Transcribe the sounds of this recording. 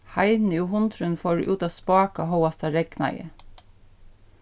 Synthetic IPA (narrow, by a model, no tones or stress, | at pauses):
hɑɪd̪nəuːhʊnt̪ʰɾʉnfoːɾ̰ʔʉːt̪ɑːspɑːkɑhoʊɑst̪ɑɹɛɡnɑ̰ɪə̰